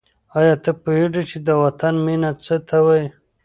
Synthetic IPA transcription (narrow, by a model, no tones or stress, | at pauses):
ajɑt̪əpuiɖit͡ʃid̪əwat̪anminat͡sət̪ʰawaj